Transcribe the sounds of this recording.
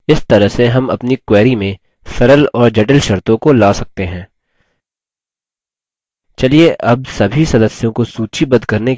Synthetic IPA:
ɪst̪ɐɾəɦseɦɐmɐ̰pnikwɛːɾimẽ | sɐɾəlɔːɾd͡ʒɛʈəlʃɐɾt̪õkolaːsɐk̚t̪eɦɛ̃ː | t͡ʃɐlieʔɐbsɐbʱisɐd̪əsjõkosuːt͡ʃibɐd̪kɐɾnek

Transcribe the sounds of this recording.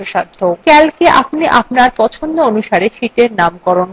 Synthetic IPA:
oʃaɾd̪ʱʰokɛlkeʔa̰pniʔapnaɾpɔt͡ɕʰond̪oonuʃaɾeʃiʈeɾnamkɔɾon

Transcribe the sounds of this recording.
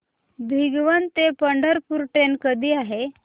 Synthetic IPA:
bʱiɡʋənt̪epəɳɖəɾpuɾʈenkəd̪ʱiːaɦe

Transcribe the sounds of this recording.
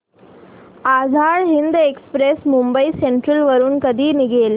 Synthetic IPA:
ad͡zʱaɭɦind̪ekspɾesmumbəiseɳʈɾəlʋəɾuːnkəd̪ʱiːniɡʱel

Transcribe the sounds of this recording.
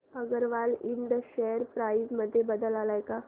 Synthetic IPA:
həɡəɾʋaliɳɖəɕɛəɾpɾaizməd̪ʱːjebəd̪əlalajka

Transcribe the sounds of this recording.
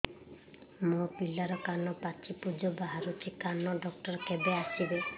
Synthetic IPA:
mopilaɾɔkanɔpat͡ʃʰipud͡ʒɔbaɦaɾut̪ʰikanɔɖɔk̚ʈɔɾɔkebeasibe

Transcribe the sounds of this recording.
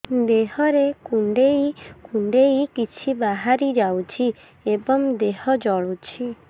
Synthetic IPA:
d̪eɦɔɾekuɳɖeikuɳɖeikit͡ʃʰibaɦaɾid͡ʒawt͡ʃʰi | ebɔŋd̪eɦɔd͡ʒɔɭut͡ʃʰi

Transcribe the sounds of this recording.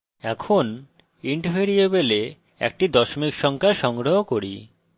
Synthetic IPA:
ɛkʰon | iɳʈfeɾiebele | ɛ̰k̚ʈid̪ɔʃomikʃɔŋkʰaʃɔŋɡɾoɦokoɾi

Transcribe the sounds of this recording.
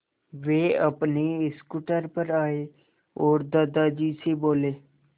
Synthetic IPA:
ʋeːəpniɪskuʈəɾpəɾaːeː | ɔːɾd̪əd̪aːd͡ʒiːsiːboːleː

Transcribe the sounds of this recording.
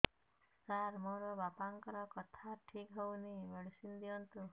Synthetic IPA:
saɾmoɾɔbapaŋkɔɾɔkɔt̪ʰaʈʰikɦownimeɭsind̪iɔnt̪u

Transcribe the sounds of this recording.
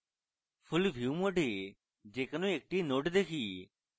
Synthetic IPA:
pʰʊlʋʱjuːmoːɖʱeː | d͡ʒeːkənõːeːk̚ʈiːnoːɖd̪eːkʰiː

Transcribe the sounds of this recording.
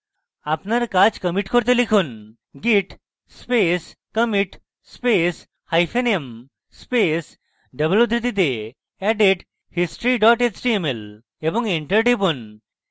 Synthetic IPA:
apnaɾkad͡ʑkəmiʈkoɾt̪̬elikʰun | ɡiʈ | speskəmiʈ | spes | hajpʰenem | spes | ɖəbljud̪ɾit̪it̪e | ɛɖeʈ | hisʈɾiɖɔʈet͡ɕʈiemel | ebɔŋeɳʈəɾʈibun

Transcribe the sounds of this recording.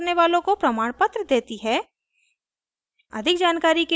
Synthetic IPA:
neʋaːlõkopɾɐmaːɽ̃pət̪ɾəd̪eːt̪iɦɛː | ɐ̰d̪ʱɪkd͡ʒaːnkaːɾike

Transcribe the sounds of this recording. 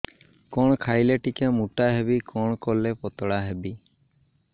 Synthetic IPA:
kɔɽ̃ɔkʰajleʈikamuʈaɦebikɔɽ̃ɔkɔlepɔt̪ɔɽaɦebi

